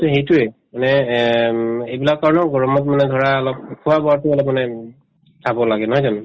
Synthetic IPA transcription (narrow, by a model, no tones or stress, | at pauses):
tʊɦejtʊɛmanɛ | ejbilakːaɹɔnɔɡɔɹɔmɔt̬̚manɛɡʱɔɹaːlɔp̚kʰuwabɔatʊalɔp̚manɛ | tʰabɔlaɡɛnɔɦɔjzanu